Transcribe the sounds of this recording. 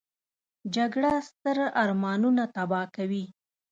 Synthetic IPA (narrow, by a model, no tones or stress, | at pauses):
d͡ʒaɡɽast̪əɾɑɾmɑnunat̪abɑkawi